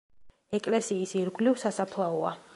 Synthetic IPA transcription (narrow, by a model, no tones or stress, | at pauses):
ɛkʼlɛsiːsiɾɡlivsasapʰlˠaɔa̰